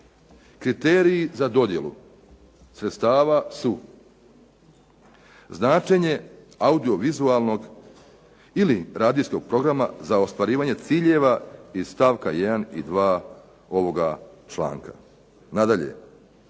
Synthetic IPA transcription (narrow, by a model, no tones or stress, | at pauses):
kɾit̪eːɾiizad̪o̞d̪je̞̰lṵ | sɾet̪st̪aːʋasu | znaːt͡ʃe̞ɲe̞ | aud̪io̞ʋizualˠno̞ɡ | iliɾaːd̪isko̞ɡ̥̚pɾo̞ɡɾama̰zao̞st̪ʋaɾiːʋaːɲe̞t̪siːʎe̞ʋaist̪aːʋkajed̪anḭd̪ʋaː | o̞ʋo̞ɡat͡ʃlˠa̰ːŋka | nad̪aʎe̞̰